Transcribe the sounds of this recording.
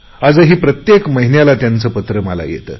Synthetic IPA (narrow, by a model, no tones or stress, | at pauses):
ad͡zəɦiːpɾət̪jekməɦinjalat̪jant͡səːpət̪ɾəməla̰jḛt̪ə̰ː